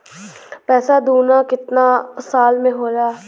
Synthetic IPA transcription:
pɛːsaːd̪uːnaːkɪt̪naːsaːlmẽːɦoːd͡ʒaː

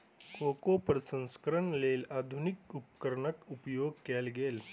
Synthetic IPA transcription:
koːkopəɾsə̃nskəɾəɳleːlaːd̪ʱʊnɪkʊp̚kəɾɳəkʊpjoːɡ̚kɛːlɡeːl

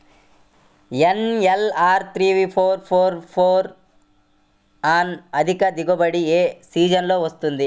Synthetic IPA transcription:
enelaːɾt̪ʰɾiːʋipʰoːɾpʰoːɾpʰoːɾ | aːnɐd̪ʱikɐd̪iɡobɐɽieːsiːd͡ʒɐnlo̞ːʋɐst̪und̪i

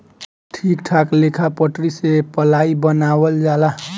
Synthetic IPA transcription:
ʈʰikʈʰaklekʰapəʈɾisepəlaibənawəld͡ʒala

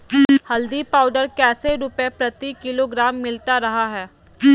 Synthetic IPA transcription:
hɐld̪ipaːʊɖəɾkɛːseɾʊpepɾɐt̪ikɪloɡɾaːmːɪlt̪aɾɐɦaɦɛː

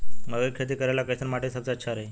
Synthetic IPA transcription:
məɡəkʰet̪iːkəɾajlakəjt̪əɾmaʈʰesat͡satːɕʰaɾe

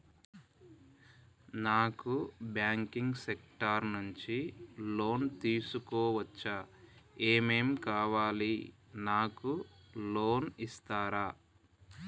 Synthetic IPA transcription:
naːkubjaːŋkiŋɡsekʈɐɾnuɲt͡ʃilo̞ːnt̪iːsukɔːʋɐt͡ʃːɐ | eːme̞ːmkaːʋaːli | naːkuloːnist̪aːɾaː

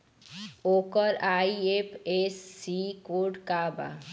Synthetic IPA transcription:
okɔɾaiepʰesːikoɾɖkaːba̰

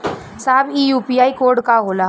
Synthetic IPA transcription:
saːbiːjuːpiaːikoːɾɖkaɦoːla

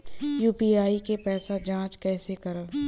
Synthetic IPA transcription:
juːpiaːikepɛːsad͡ʒãːt͡ʃkɛːsekɐɾaː

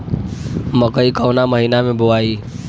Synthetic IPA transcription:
məkəikəʊnaməɦiːnamẽboaːiː

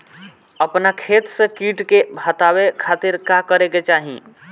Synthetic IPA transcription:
əpnakʰet̪sə̃kiʈkebʱət̪abekʰat̪iɾkakəɾeket͡ʃaɦḭ̃

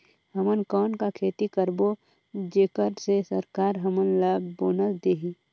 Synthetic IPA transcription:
ɦəmənkɔːnkakʰeːt̪ikəɾbo | d͡ʒeːkəɾsesəɾkaːɾɦəmənlaːbboːnəsd̪eːɦi

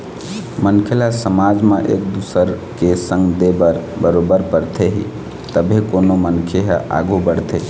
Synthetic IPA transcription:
mənkʰelasəmad͡ʒmeʔḛk̚d̪usəɾkesə̃ŋɡd̪ebəɾbəɾobəɾpəɾt̪ʰeɦḭ | t̪əbʱekonomənkʰeɦʔa̰ɡubəɽt̪ʰe

